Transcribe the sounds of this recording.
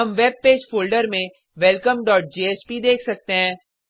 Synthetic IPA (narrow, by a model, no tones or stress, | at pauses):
ɐmʋeːb̚peːd͡ʒfʰoːlɖəɾmẽ | ʋɛlkəmɖɔːʈ̚d͡ʒeːeːt͡ʃpid̪eːkʰsɐk̚t̪eɦɛ̃ː